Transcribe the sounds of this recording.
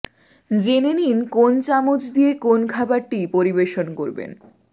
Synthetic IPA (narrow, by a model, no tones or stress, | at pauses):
d͡ʑeneninkont͡ɕamod͡ʑd̪ijekonkʰabaɾʈipoɾibeʃonkoɾbḛn